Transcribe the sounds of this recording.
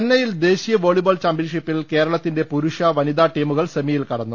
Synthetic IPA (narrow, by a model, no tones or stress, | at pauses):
nːɐjild̪e̞ːɕijɐʋo̞ːɭiboːlt͡ɕaːmpjinʂipːilke̞ːɾɐɭɐt̪ːinde̞puɾuʂɐʋɐnid̪aːʈiːmuɣɐɭsɐmijilkɐɽɐnːu